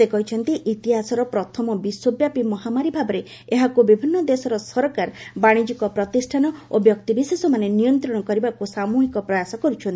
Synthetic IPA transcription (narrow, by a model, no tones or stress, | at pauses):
sekɔɦit͡ʃʰɔnt̪iʔit̪iɦasɔɾɔpɾɔt̪ʰɔmɔbiswobjapimɔɦamaɾibʱabɔɾe | eɦakubibʱinːɔd̪esɔɾɔsɔɾɔkaɾbaɽ̃id͡ʒikɔpɾɔt̪isʈʰanɔobjɔkt̪ibisesɔmanenijɔnt̪ɾɔɽ̃ɔkɔɾibakusamuɦikɔpɾɔjasɔkɔɾut͡ʃʰɔnt̪i